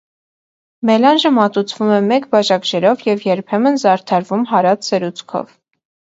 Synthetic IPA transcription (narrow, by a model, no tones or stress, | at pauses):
mɛlɑnʒəmɑt̪ut͡sʰvumɛmɛkbɑʒɑkʒɛɾɔvjɛvjɛɾpʰɛmənzɑɾt̪ʰɑɾvumɦɑɾɑt͡sʰsəɾut͡sʰkʰɔ̰v